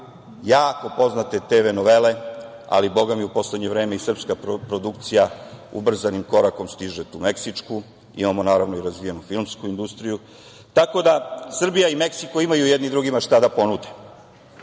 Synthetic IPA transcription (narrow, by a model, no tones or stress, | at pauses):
jaːko̞po̞znat̪e̞t̪eʋenoʋe̞le̞ | a̰libo̞ɡamiupo̞sleɲevɾe̞ːmeisr̩pskapɾopɾo̞d̪ukt̪sijaṵbr̩zanimko̞ɾako̞mst̪iʒet̪uːme̞ksit͡ʂku | ḭmamo̞naːɾaʋno̞iɾazʋijenufilˠmskuind̪ust̪ɾiju | t̪ako̞d̪asr̩bijaime̞ksiko̞imajujed̪nid̪ɾuɡimaʃt̪ad̪apo̞nud̪e